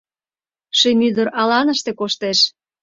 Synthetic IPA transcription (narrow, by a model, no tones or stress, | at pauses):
ʃemyd̪əɾɑlɑnəʃt̪ekoʃt̪eʃ